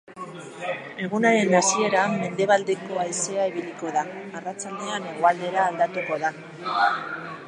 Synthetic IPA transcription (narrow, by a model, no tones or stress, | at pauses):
e̞ɣ̞unaɾe̞nasie̞ɾamːe̞nd̪e̞βald̪e̞ko̞ajse̞aiβiliko̞ðaːrat͡sald̪e̞ane̞ɣ̞oald̪e̞ɾaːld̪at̪uko̞ða